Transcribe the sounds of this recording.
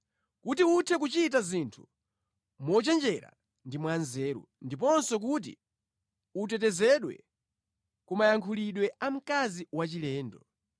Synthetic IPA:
kutiutʰɛk̬ut͡ʃit̬azintʰu̥ | mɔt͡ʃɛnd͡ʒɛɾa̰ | ndimwanzɛːɾṵ | ndip̬ɔnsɔk̬ut̬ḭ | ut̬ɛtɛzɛɗwɛ̰ | kumajaŋkʰuliɗwɛam̩kaziwat͡ʃilɛːndɔ

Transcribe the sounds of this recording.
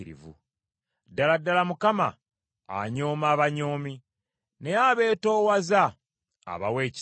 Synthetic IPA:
ɾḭvṵ | dːaladːalamukama̰ | a̰ɲo̞ːmaːβaɲo̞ːmi | ne̞aβe̞ːto̞ːwaza̰ː | βawe̞ːc

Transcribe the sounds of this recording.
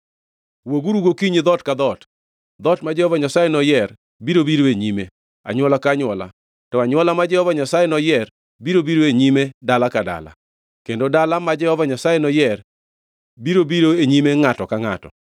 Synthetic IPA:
woɡuɾuɡokiɲid̪ɔtkad̪ɔt | d̪ɔtmad͡ʒɛhɔvaɲasajenɔjɛr | biɾobiɾoeɲime | a̰ɲwɔlakaɲwɔla̰ | tɔaɲwɔlamad͡ʒɛhɔvaɲasajenɔjɛr | biɾobiɾoeɲimedalakada̰la̰ | kendodalamad͡ʒɛhɔvaɲasajenɔjɛr | biɾobiɾoeɲimeŋatɔkaŋa̰tɔ̰

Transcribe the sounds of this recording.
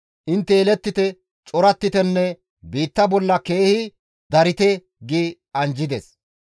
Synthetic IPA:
ʔɪnt̪ːɛːlɛt̪ːɪt̪ɛ | t͡ʃʼɔɾɐt̪ːɪt̪ɛnːɛ | biːt̪ːɐbɔlːɐke̞ːhɪ | d̪ɐɾɪt̪ɛ | ɡi | ɐnd͡ʒɪd̪ɛs

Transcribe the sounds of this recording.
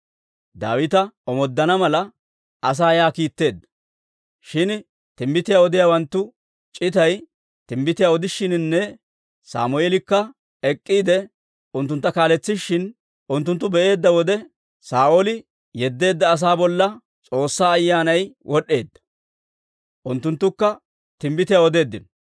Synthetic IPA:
d̪a̰ːwɪt̪ɐɔmɔd̪ːɐnɐmɐlɐ | ɐs̬aːjaːkiːt̪ːe̞ːd̪ːɐ̥ | ʃɪn | t̪ɪmbɪt̪ɪjaːɔd̪ɪjaːwɐnt̪ːʊ | t͡ʃʼɪt̪ɐj | t̪ɪmbɪt̪ɪjaːɔd̪ɪʃːɪnnːɛ | sa̰ːmʊeːlɪkːɐ | ɛkʼːiːd̪ɛ | ʊnt̪ːʊnt̪ːɐkaːlɛt͡sːɪʃːɪn | ʔʊnt̪ːʊnt̪ːʊbɛʔe̞ːd̪ːɐwɔd̪ɛ | saːʔolɪ | jɛd̪ːe̞ːd̪ːɐːs̬aːbɔlːɐ | t͡sʼo̞ːsːaːɐjːaːnɐjwʔɔɗe̞ːd̪ːɐ̥ | ʔʊnt̪ːʊnt̪ːʊkːɐ | t̪ɪmbɪt̪ɪjaɔd̪e̞ːd̪ːɪnɔ

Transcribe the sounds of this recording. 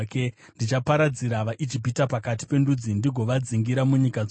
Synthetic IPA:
kendit͡ʃapaɾad͡ziɾaʋaʔid͡ʒibʱitapakati̥pe̞ndud͡zindiɡʱo̞ʋad͡ziŋɡiɾamuɲika

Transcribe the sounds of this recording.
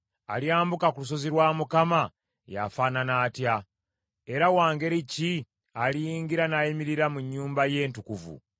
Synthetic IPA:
aljaːmbukakulus̬o̞ziɾwaːmukama | ja̰faːnanaːtja | e̞ɾawaːŋɡe̞ɾici | alijiːŋɡiɾanajimiɾiɾamuɲːuːmbaje̞ːntukuvṵ

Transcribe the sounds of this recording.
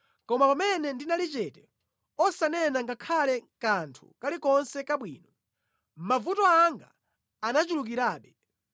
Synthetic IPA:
kɔmapamɛnɛndinalit͡ʃɛtɛ | ɔsanɛnaŋɡakʰalɛkantʰṵkalikɔnsɛkaɓwḭːnɔ | mavutɔaŋɡa̰ː | nat͡ʃuluk̬iɾaːɓɛ

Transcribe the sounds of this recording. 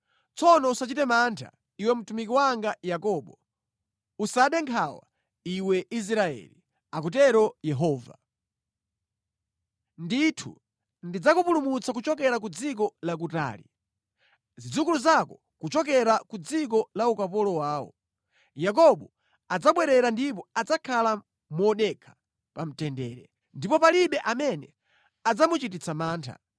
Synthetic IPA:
t͡sɔnɔusat͡ʃitɛmantʰa̰ | iwɛm̩tumikiwaŋɡajakɔːɓɔ | usaɗɛŋkʰawa | iwɛʔis̬ɾaɛ̰li | akut̬ɛɾɔjɛɦɔːva̰ | nditʰṵ | ndid͡zakupulumut͡sakut͡ʃɔk̬ɛɾak̬ud͡zik̬ɔlak̬uta̰ːlḭ | zid͡zukuluzakɔ | kut͡ʃɔk̬ɛɾakud͡zik̬ɔlaukapɔlɔwaːwɔ̰ | jak̬ɔɓɔ | ad͡zaɓwɛɾɛɾandip̬ɔad͡zakʰala | muɔɗɛkʰḁ | pam̩tɛndɛːɾɛ̰ | ndipɔpaliɓɛʔamɛnɛ | ad͡zamut͡ʃitit͡sʰamaːntʰa̰

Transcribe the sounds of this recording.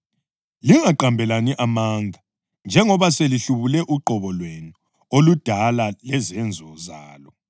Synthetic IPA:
liŋaǃambʱɛlaniʔamaŋɡʱa | nd͡ʒʱɛŋɔβaseliɬuβulɛʔuǃʱɔβɔlwenu | olud̥ʱalalɛzɛnd͡zʱɔzaːlɔ

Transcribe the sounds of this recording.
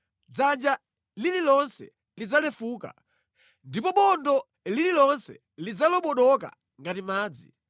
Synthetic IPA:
d͡zand͡ʒa | lililɔnsɛ̰ | lid͡zalɛfuːka̰ | ndipɔɓɔndɔ | lililɔnsɛ̰ | lid͡zalɔɓɔɗɔka̰ | ŋɡatimaːd͡zḭ

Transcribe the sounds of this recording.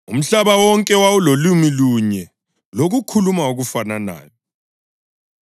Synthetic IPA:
ṵm̩ɬaβawɔŋkʼɛwawulolumiluɲɛ | loɣukʰulumauɣufanana̰ːjɔ

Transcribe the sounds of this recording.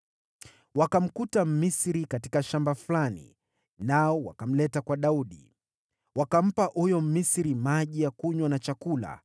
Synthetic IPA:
wakam̩kutam̩misiɾikati̥kaʃambaflanḭ | naɔwa̰kam̩lɛtakwaɗauɗḭ | wakam̩paʔujɔm̩misiɾimaʄijakuɲwanat͡ʃakula̰

